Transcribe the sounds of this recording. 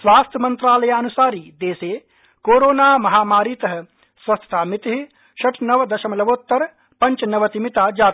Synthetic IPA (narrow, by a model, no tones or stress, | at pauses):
sʋaːst̪ʰjɐmɐnt̪ɾaːlɐjaːɐnusaːɾiːd̪eːseː | koːɾoːnaːmɐɦaːmaːɾiːt̪ɐɦɐ̆ | sʋɐst̪ʰɐ̥t̪ʰaːmit̪ɦi | ʃɐʈʰnɐʋd̪ɐʃɐmɐlɐboːt̪ːɐɾ | pɐɲt͡ʃɐnɐʋɐt̪imit̪aːd͡ʒaːt̪